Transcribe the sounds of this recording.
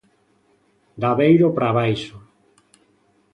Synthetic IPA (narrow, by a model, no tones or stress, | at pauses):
d̪aβejɾopɾaβajʃo